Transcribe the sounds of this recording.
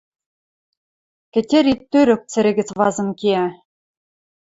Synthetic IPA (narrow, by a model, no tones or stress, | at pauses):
kɘ̆tʲĕɾit̪ːøɾɘ̆k̚t͡sɘ̆ɾʲɘ̆ɡɘ̆t͡svɑzɤ̆mkiæ